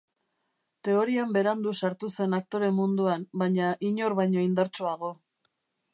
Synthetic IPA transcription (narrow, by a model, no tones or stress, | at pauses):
t̪e̞o̞ɾiambe̞ɾand̪usaɾt̪use̞nak̚t̪o̞ɾe̞mːund̪uambajɲaʔiɲo̞ɾβajɲo̞ind̪aɾt͡ʃoaɣo̞